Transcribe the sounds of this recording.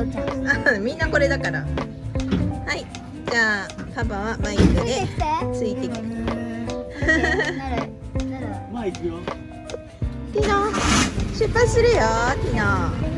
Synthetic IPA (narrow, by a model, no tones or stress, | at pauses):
ɯ̃mʲĩnːako̞ɾe̞d̪akaɾa̰ | hai | d͡ʑaːpapaβamaikɯd̪e̞t͡sɨit̪ekʲi | t̪ʲina | ɕɨpːai̥sɨɾɯjot̪ʲina